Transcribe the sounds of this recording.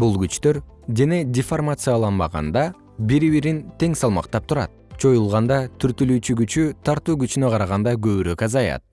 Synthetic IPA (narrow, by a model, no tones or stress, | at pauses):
bulˠɡyt͡ʃt̪øɾd̪ene̞dʲɪformat̪sɨjalˠɑnbɑʁɑ̰nd̪ɑ | biɾiβiɾint̪e̞ŋsɑlˠmɑqt̪ɑp̚t̪ʰuɾɑ̰t̪̚t͡ʃʰo̞julˠʁɑnd̪ɑt̪ʰyɾt̪ylyːt͡ʃyɡyt͡ʃyt̪ʰɑɾt̪uːɡyt͡ʃynøqʰɑɾɑʁɑnd̪ɑɡø̞βyɾø̞kɑzɑjɑ̰t̪̚